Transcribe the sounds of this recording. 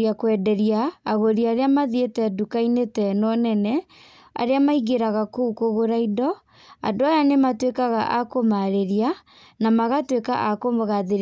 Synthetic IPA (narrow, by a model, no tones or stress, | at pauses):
iakwɛdɛɾiaːɣoɾiaːɾeamaðietɛdukainetɛnɔnɛnɛ | a̰ɾeamaiɣeɾaɣakoukoɣoɾaidɔ | a̰ndoajanematwekaɣaʔakomaɾeɾia | namaɣatweka̰ʔakomɣaðeɾ